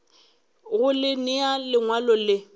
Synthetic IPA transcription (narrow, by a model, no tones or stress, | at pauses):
ɣʊlɪnɪalɪŋwalɔlɪ